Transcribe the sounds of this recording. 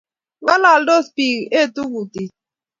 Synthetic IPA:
ŋa˦la˨ldo˦spi˨ɣe˦˨tu˦ɡu˨ti˨

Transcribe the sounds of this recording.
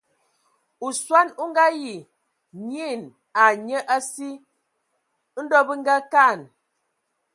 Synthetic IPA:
u˨swa˦nu˦ŋ˦ɡa˦ji˨ | ɲi˦˨n | a˨ɲə˦ʔa˦si˦ | n̩˦dɔ˦bə˦ŋ˦ɡa˦ka˦˨n

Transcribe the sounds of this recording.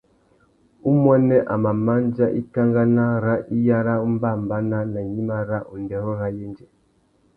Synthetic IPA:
u˦mɔ˦nɛ˦ʔa˨ma˨ma˦nd͡ʒa˦ʔi˦ka˦ŋɡa˦na˦ɾa˦ʔi˦ja˦ɾa˦u˦m˦ba˦˨mba˦na˦na˨ɲi˦ma˦ɾa˦ʔu˨ndɛ˨ɾɔ˦ɾa˦jɛ˦nd͡ʒɛ˨

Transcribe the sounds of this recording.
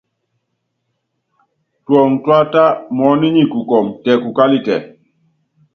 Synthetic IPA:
twɔ˨ŋtwa˦ta˦mɔ˨˦ni˦ɲi˦˨ku˨kɔ˨mtɛ˨ku˨ka˦li˦tɛ̰˨

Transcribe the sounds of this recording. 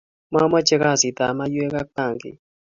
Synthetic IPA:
ma˦ma˦t͡ʃɛ˦ɣa˦˨si˨t̪a˨ma˦je˦ka˦ka˦˨ŋɡḭ˨

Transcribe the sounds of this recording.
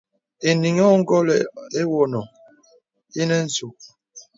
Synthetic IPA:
e˨ni˨ŋɔ˦ŋ̩˦ɡɔ˦lɛ˨e˦wɔ˦˨nɔ˨ | i˦nɛ˦n̩˦so˨

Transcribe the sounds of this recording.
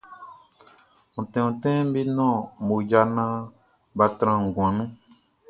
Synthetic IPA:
ŋũ˨tɛ̃˨ũ˨tɛ̃˦m˦bi˦nɔ̃˦˨mo˨d͡ʒa˧nã˦ | ba˧tɾã˧ŋ˨ɡw̃ã˨nũ˦

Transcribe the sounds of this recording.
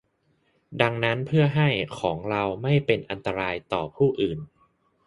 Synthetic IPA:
da˧ŋna˦˥npʰɯ˥˩əɦa˥˩jkʰɔː˩˦ŋɾa˧wma˥˩jpe˧nʔa˧nt̪a˧ɾaː˧jt̪ɔː˨˩pʰuː˥˩ʔɯː˨˩n

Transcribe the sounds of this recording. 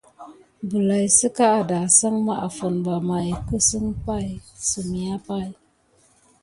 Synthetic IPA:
bu˨la˨jsɨ˦ka˦a˨da˨sa˦ŋma˦˨ʔa˨fo˨nba˨ma˨jkə˦sɨ˦ŋpa˦˨jsɨ˨mi˨a˦pa˦˨j

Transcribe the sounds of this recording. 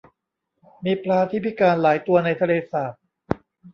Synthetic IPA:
miː˧pʰlaː˧t̪ʰiː˦˥˩pʰi˦˥˩kaː˧nlaː˩˦jt̪u˧ɐna˧jt̪ʰa˧leː˧saː˨˩t̪̚

